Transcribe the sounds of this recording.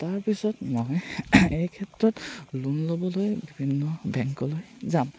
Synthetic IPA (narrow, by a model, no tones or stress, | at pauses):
taɹpisɔtmojejkʰɛtɹɔtlunlobɔlojbibʱinːɔbɛŋkɔlojzam